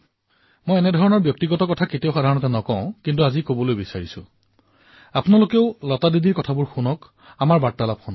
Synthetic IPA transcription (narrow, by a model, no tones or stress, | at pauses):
mojɛnɛdʱɔɹɔnɔɹbjɔk̚tiɡɔtɔkɔtʰaketiaʊxadʱaɹɔnɔtɛnɔkɔʊ̃kintuazikobɔlojbisaɹisʊ̰̃ | apnalokeʊlɔtadidiɹkɔtʰabʊɹxunɔk | amaɹbatːalap̚xɔn